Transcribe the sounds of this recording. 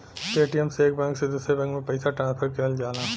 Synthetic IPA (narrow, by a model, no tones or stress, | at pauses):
ʈeːʈijəmseːk̚bɛ̃ŋksed̪uːsɾebɛ̃ŋkmẽpɛɪsaʈɾãːnspʰəɾkɐɦld͡ʒaːnaː